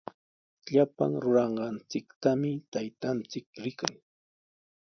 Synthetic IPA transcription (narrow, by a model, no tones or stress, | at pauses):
ʎapa̰ŋɾʊɾɑɴɢɑnt͡sɪkt̪amɪt̪ajt̪ant͡sɪkɾɪkaŋ